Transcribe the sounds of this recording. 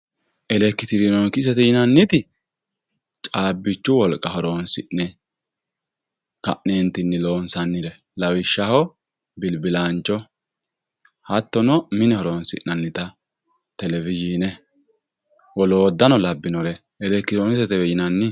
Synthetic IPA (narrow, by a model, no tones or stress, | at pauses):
ʔɛlɛkːɪt̪ɪɾɪnɔnkɪs̬ɛt̪ɛjɪnɐnːɪt̪ɪ | t͡ʃʼaːbːɪt͡ʃːʊwɔlkʼɐhɔɾoːnsɪʔnɛ | kɐ̰ʔneːnt̪ːɪnːɪlo̞ːnsɐnːɪlɛ | lɐwɪʃːɐhɔ | bɪlbɪlaːnt͡ʃːɔ | hɐt̪ːɔnɔmɪnɛhɔɾoːnsɪ̰ʔnɐnːɪt̪ɐ | t̪ɛlɛvɪd͡ʒinɛ | wɔloːd̪ːɐnɔlɐbːɪnɔɾɛ | ɛlɛkːɪɔnɪsɛt̪ɛɛjɪnɐnːɪ